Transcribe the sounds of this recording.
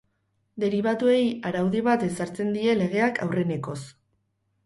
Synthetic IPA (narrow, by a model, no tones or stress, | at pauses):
d̪e̞ɾiβ̞at̪ue̞jaɾawðiβat̪e̞saɾt͡se̞nd̪ie̞le̞ɣe̞akʰa̰wre̞ne̞ko̞s